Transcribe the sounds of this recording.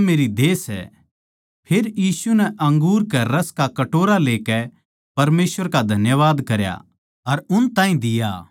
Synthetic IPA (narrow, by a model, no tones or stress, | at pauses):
meːɾid̪eːsɛ̰ | pʰeːɾjiːsunɛʔɐ̃ŋɡuːɾkɛɾɐskakɐʈoːɾaleːkɛ | pɐɾmeːsʋəɾkad̪ʱɐnjəʋaːd̪kɐɾja̰ | ɐɾʊnt̪ãːɦĩd̪ɪja̰